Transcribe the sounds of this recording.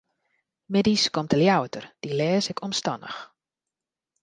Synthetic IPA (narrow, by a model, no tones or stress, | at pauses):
mediskɔmtʰəljawətərd̥ilɛːsɪkʰɔmstɔnə̰x